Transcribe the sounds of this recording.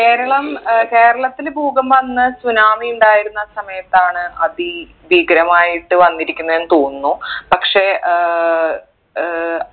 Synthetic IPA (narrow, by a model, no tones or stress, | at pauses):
ke̞ːɾɐɭɐmke̞ːɾɐɭɐt̪ːilbʱuːɡɐmʋɐnːɨsunaːmiuɳɖaːjiɾunːɐsɐmɐjɐt̪ːaːɳɨʔɐði | ʋiɡɾɐmaːjiʈːɨʋɐnːiɾikʲːunːɐe̞nːɨt̪oːnnːupɐkʂe̞